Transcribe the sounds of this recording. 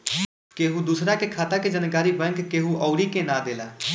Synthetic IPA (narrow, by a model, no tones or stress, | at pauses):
keːɦuːd̪uːsɾaːkekʰaːt̪aːked͡ʒənkaːɾiːbɛ̃ːŋkːeːɦũːʔɔːɾiːkẽːnãːd̪eːlaː